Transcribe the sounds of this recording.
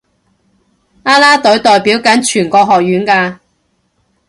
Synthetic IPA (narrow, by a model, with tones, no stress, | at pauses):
ʔaː˥laː˥t̪ɵ˨˥ɥt̪ɔː˨jpiː˨˥wkɐ˨˥nt͡ʃʰyː˨˩nkɔː˧ɦɔː˨k̚jyː˨˥nkaː˧